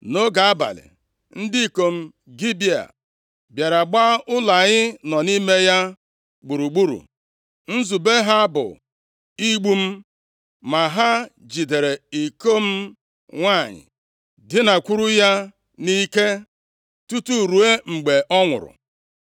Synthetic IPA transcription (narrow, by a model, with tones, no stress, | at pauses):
no˦ɡa˨a˦ba̰˨lɪ̰˨ | n̩˦di˦˨ko˦m̩˦ | ɡi˦bi˦a̰˨ | bja˨ɾa˨ɡ͡ba˦ʊ˦la˨ɲɪ˦nɔ˨ni˦me˦ja˦ | ɡ͡bu˨ɾu˨ɡ͡bu˦ɾṵ˨ | n̩˦zu˨be˦ɦa˦bʊ̰˨ | i˦ɡ͡bu˦m̩˦ | ma˨ɦa˦ | d͡ʒi˨de˨ɾe˨i˨ko˦m̩˦ | ŋʷa˦˨ɲɪ̰˨ | dɪ˦na˨kʷu˦ɾu˦ja˦ | ni˦ke˦ | tu˦tu˦˨ɾu˨e˦ŋ͡m̩˨ɡ͡be˨ʔɔ˦ŋʷʊ̰˨ɾʊ̰˨